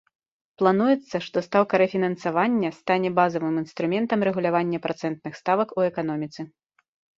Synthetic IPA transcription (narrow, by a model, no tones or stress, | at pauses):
plˠanujɛt̪sːɐʂt̪ɔst̪awkɐɾɛfʲinɐnsavanʲːɐst̪anʲɛbazɐvɨminst̪ɾumʲɛnt̪ɐmɾɛɣulʲavanʲːɐpɾat̪sɛnt̪̚nɨxst̪avɐkuɛkan̪ɔmʲit̪sɨ